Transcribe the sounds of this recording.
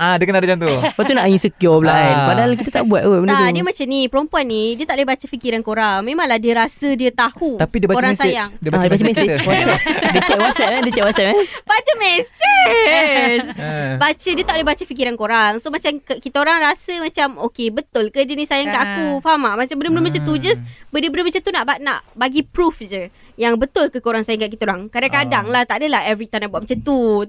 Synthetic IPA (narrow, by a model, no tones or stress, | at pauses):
adəkənadad͡ʒant̪uwat̪unaʔɲĩsəkiɔblanpadaɦalk̬it̪at̪aʔbuat̪̚bənəat̪udiəmat͡ʃamnipəɾompuanːidiət̪aʔlehbat͡ʃəfikiɾankoɾaŋmẽmãŋlahdiəɾasədiət̪ahut̪apidiəbakoɾaŋsajaŋdiəbaəbat͡ʃəmɛsiwɔsɛdiət͡ʃɛʔwɔt̪sɛt̚mandiət͡ʃɛʔwɔt̪sɛt̚mabat͡ʃəmɛsɛ | sbat͡ʃədiət̪aʔlahbat͡ʃəfikiɾankoɾaŋsomat͡ʃamkkit̪aoɾaŋɾasəmãt͡ʃamokebət̪ʊlkədənisajaŋkaʔakufamamat͡ʃambənmbəlmət͡ʃət̪ud͡ʒasbədəbənəmat͡ʃət̪unaʔbana̰ʔbaɡipɾufd͡ʒə | jaŋbət̪ʊlkəkoɾaŋsajaŋkaʔkit̪aoɾaŋkadaŋkadaŋlaht̪aadəlahɛvɾit̪anaʔbuaʔ̚mat͡ʃət̪u